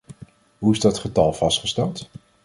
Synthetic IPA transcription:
ɦuɪzdɑtχətɑlˠv̥ɑstχəstɛlˠt

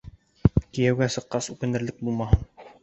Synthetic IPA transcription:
kijæwɡæsɤ̆qːɑsʉkɘ̆nɘ̆ɾlɘk̚bulˠmɑɦɤn

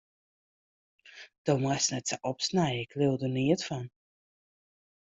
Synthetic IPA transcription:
d̥omasnɛtsəʔɔpsnɛjəɪkʰlɪlˠdəniətfɔn

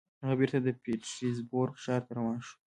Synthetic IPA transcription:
haɣabeɾt̪ad̪əpeʈɾizboɾɡʃɑɾt̪aɾawɑnʃu̥

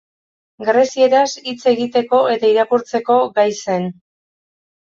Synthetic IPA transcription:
ɡɾe̞sie̞ɾasit͡se̞ɣit̪e̞ko̞e̞t̪aiɾakuɾt͡se̞ko̞ɡajse̞n

